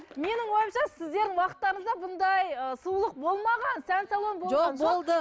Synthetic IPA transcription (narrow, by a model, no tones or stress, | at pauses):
me̞nɪŋwo̞jəmʃɑsɪzd̪e̞ɾd̪ɪŋwɑqət̪ːɑɾəɴəzd̪ɑbʊnd̪ɑjəsulˠəq̚bo̞lˠmɑʁɑnsænsɑlˠonbolʒoɑnbolˠd̪ə